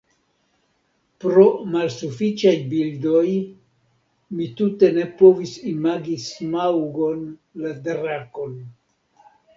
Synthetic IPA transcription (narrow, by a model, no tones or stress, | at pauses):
pɾo̞malsufit͡ʃajbildo̞j | mitute̞ne̞po̞visimaɡismawɡo̞nladɾako̞n